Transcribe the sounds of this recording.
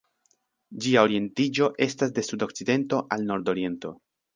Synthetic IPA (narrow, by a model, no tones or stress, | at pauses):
d͡ʒiao̞ɾie̞ntid͡ʒo̞ʔe̞stasde̞sudo̞kt͡side̞nto̞ʔalno̞ɾdo̞ɾie̞nto̞̰